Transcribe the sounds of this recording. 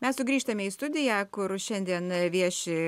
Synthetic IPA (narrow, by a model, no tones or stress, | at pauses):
mʲɛssʊɡɾʲiːʃt̪ɐmʲɛiːst̪ʊd̪ʲɪjæːkʊrʃʲɛnʲd̪ʲiɛnʋʲiɛʃʲɪ